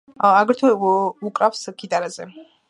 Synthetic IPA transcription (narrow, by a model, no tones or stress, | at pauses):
aɡɾt̪ʰuukʼɾafskʰid̪aɾazɛ